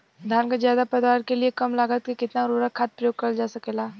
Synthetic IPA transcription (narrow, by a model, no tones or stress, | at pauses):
d̪ʱaːnkazjaːd̪apɐd̪waːɾkeliekɐmlaɡət̪̚kikɪt̪naɾuːɾəkʰaːt̪̚pɾɐjoːɡ̚kɐɾld͡ʒaːsɐkelaː